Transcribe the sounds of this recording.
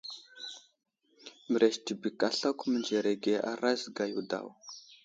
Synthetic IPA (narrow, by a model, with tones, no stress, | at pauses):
mə˨ɾe˨ʃti˨bi˨ka˨ɬa˦kʷmə˨nd͡ʒe˨ɾe˨ɡe˨ʔa̰˨ɾa˦zɡa˨ju˨da̰˨w